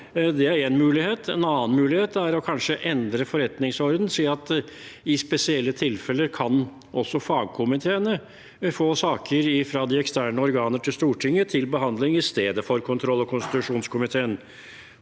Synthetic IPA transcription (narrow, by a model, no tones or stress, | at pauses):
d̪ɛæɾeːnmʉːlɪheːt̪ʰɛnɑːənmʉːlɪheːt̪æɾɔkʰɑnʂəʔɛnd̪ɾəfɔɾɛt̪nɪŋsɔɾd̪n̩siːɑt̪ɪspɛsɪɛlːət̪ʰɪlfɛlːəkʰɑn | ʔɔsɔfɑːɡ̚kʰʊmɪt̪ʰeːənə | foːsɑːkʰəɾɪfɾɑd̪ɪɛkst̪æːɳəɔɾɡɑːnəʈʰɪlst̪uːʈʰɪŋːət̪ʰɪlbəɦɑnd̪lɪŋɪst̪eːd̪əfɔɾkʰʊnt̪ʰɾɔlːɔkʰʊnst̪ɪt̪ʉʂuːnskʊmɪt̪ʰeːən